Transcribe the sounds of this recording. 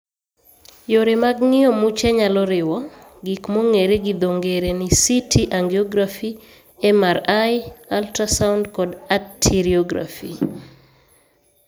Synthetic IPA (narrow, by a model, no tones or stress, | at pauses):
joɾemaɡŋɪɔmut͡ʃɛɲalɔɾɪwɔɡikmoŋeɾeɡid̪oŋɡeɾenisitʰiʔaŋɡeɔɡɾafi | ɛmaɾajaltɾasawndkɔdatʰːiɾiɔɡɾa̰fḭ